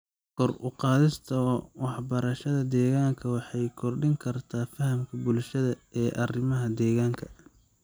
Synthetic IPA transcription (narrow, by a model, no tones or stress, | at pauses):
kʰɔrʊqɑːðɪst̪ʰɐwɑħbɐɾɐʃɐðɐd̪ɛːɣaːŋkʰɐwɑħɑjkʰɔrɖɪŋkʰɐrt̪ʰaːfɐhɐmkʰɐbʊlʃɐðɐɛːʔɐrɪmɐɦɐd̪ɛːɣaːŋkʰɐ